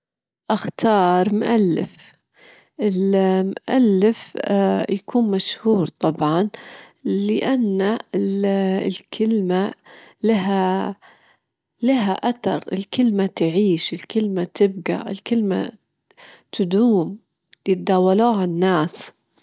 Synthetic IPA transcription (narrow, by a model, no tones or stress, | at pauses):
ʔaxt̪ʰɑːɾˤmʊʔalːɪ̰f | ʔɪlmʔalːɪfjakʰuːnmaʃhuːɾt̪ˤɑbʕɑn | lɪʔanːaɪlɪ̰lkʰɪlmalaɦa | laɦaʔat̪ɑɾˤɪ̰lkɪlmat̪ʕiːʃɪlkɪlmat̪ʰɪb̚ɡa̰ʔɪ̰lkɪlma̰ | t̪ʊd̪uːm | jɪt̪̚d̪aːwaluːʕanːaːs